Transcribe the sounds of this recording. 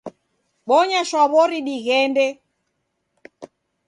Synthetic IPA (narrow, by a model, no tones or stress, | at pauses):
ɓɔɲaʃwaβɔɾiɗiɣɛndɛ